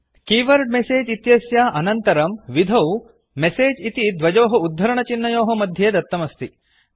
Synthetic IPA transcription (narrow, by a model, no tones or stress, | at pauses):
kiːʋɐɾɖ̚meseːd͡ʒit̪jɐsjaːʔɐnɐnt̪ɐɾɐmʋid̪ʱɐw | meseːd͡ʒit̪id̪ʋɐd͡ʒoːɦɐud̪ʱːɐɾɐɳɐt͡ʃinːɐjoːɦɐmɐd̪ʱjeːd̪ɐt̪ːɐmɐst̪i